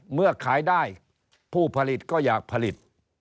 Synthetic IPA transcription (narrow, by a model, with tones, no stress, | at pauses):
mɯ˥˩ɐkʰaː˩˦jdaː˥˩j | pʰuː˥˩pʰa˧li˨˩t̪̚kɔː˥˩jaː˨˩k̚pʰa˧li˨˩t̪̚